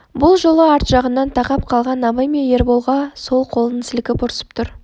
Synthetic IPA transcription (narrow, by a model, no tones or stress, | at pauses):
bʊlˠʒo̞lˠəɑɾt̪ʒɑʁənːɑnt̪ʰɑqɑp̚qʰɑlˠʁɑnɑbɑjmeje̞ɾbolˠʁɑso̞lˠqʰo̞lˠənəsɪlɪkʲɪpʰoɾsə̥pt̪ʰʊɾ